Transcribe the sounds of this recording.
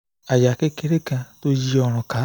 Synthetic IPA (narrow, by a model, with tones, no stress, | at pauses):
a˨ja˨ke˦ke˧ɾe˦kã˧to˦d͡ʒi˧ɔ˧ɾ̃ɔ̃˨ka˨˦